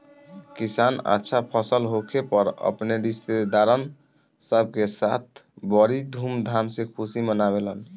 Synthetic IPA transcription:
kisana̰tːʃʰapʰəsəlɦokʰepəɾə̰pneɾist̪ed̪aɾən | səb̚ʱkesat̪̚ʰbəɾid̪ʱumd̪ʱamsekʰusimənabelən

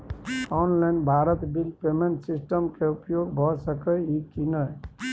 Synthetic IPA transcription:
ɔnlaɪnbʱaɾət̪bilpemeɳʈsisʈəmkeupjoɡbʱɔsəkəikinə

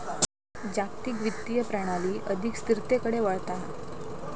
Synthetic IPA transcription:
d͡ʑakt̪ikʋit̪ːijəpɾəɽ̃aliːʔəd̪ʱikst̪iɾt̪ekəɽeʋəɭt̪aɦa̰

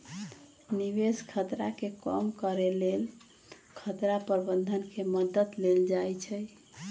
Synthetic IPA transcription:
niβeskʰət̪ɾa̰kekəmkəɾelel | kʰət̪ɾapəɾbənd̪ʱənkeməd̪ət̪leld͡ʒajt͡ʃʰɛj

